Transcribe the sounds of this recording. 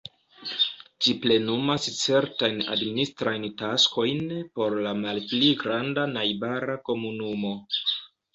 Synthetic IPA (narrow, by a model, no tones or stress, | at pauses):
d͡ʒiple̞numast͡se̞ɾtajna̰dministɾajntasko̞jnpo̞ɾlamalpliɡɾandanajbaɾako̞munumo̞